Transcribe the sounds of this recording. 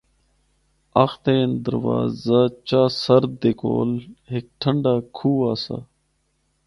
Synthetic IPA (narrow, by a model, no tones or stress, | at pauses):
axt̪eːnd̪ə̰ɾʋa̰ːzat͡ʃaːsəɾd̪eko̰ːlɦɪk̚ʈʰəɳɖaːkʰuːaːsa̰